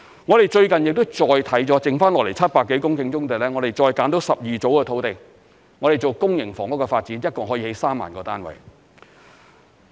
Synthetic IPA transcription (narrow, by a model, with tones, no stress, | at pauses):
ŋɔ˨˧e˨jt͡ʃɵ˧ɥkɐ˨njɪ˨k̚t̪ʊ˥wt͡ʃɔː˨jt̪ʰɐ˨˥jt͡sɔː˨˧˥t͡sɪ˨ŋfaː˥nlɔ˨kle˨˩jt͡sʰɐ˥t̚paː˧kːe˨˥jkʊ˥ŋkɪ˧ŋt͡ʃʊ˥ŋt̪e˨˩lɛː˥ŋɔː˨˧ɾe˨jt͡ʃɔː˧jkaː˨˥nt̪o˨˥wsɐ˨p̚jiː˨t͡so˨˥wkɛː˧t̪ʰo˨˥wt̪ɪ˨˩ŋ | ŋɔ˨˧ɾe˨jt͡ʃo˨˩wkʊ˥ŋjɪ˨˩ŋfɔː˨˩ŋɔ˨˥kɔ˧faː˧t̚t͡siː˨˥njɐ˥t̚kɔː˨˩ɦɔː˨˥jːhe˨˧jsaː˥mːa̰ː˨nkɔː˧t̪aː˥nwɐ̰˨˩j